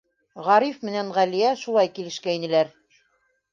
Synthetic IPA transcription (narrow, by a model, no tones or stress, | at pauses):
ʁɑɾifmɘ̆nænʁælijæʃulˠɑjkilɘ̆ʃkæinɘ̆læɾ